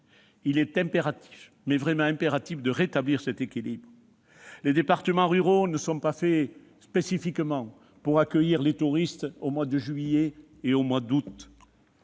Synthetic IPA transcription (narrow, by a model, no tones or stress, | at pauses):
ilɛt̪ɛ̃mpeʁat̪i̥f | mɛvʁɛmɑ̃ɛ̃mpeʁat̪ifd̪əʁet̪abliʁsɛt̪ekʲilibʁə | led̪epaʁt̪əmɑ̃ʁyʁonəsɔ̃pafɛ | spesifikmɑ̃ | puʁakœjiʁlet̪uʁist̪omwad̪əʒɥije | eomwad̪ut̪